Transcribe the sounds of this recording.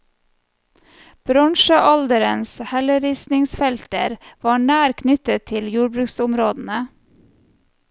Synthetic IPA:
b̥ɾɑŋʃəʔɑld̪əɾənshɛləɾɪsnɪŋsfɛlt̪ə̰ɾʋɑːɳæːɾkʰnʏt̪ət̪ʰɪljuːɾbɾʉːksʊmɾoːd̪n̩ə

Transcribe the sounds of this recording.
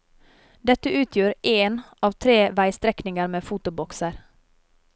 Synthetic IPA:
d̪ɛt̪ːəʉ̟ːt̪ʰjuːɾʔɛn | ɑːvt̪ʰɾeːvæjst̪ɾɛknɪŋaɾmeːfuːt̪ʊbɔksəɾ

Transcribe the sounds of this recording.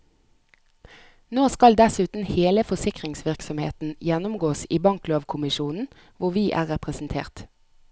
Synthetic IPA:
noːskɑld̪ɛsʉːt̪n̩heːləfɔsɪkʁɪŋsʋɪʁksɔmhḛːt̪n̩jɛnʊmɡoːsiːbɑŋkloːʋkʰʊmɪʃuːnn̩ | ʋʊʁʋiːʔæ̰ːʁɛpʁəsn̩t̪ʰḛːʁt̪

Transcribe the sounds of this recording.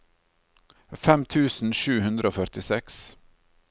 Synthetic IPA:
fɛmt̪ʰʉːsn̩ʃʉːhʉnd̪ɾʔəoːfœɾt̪ɪsɛks

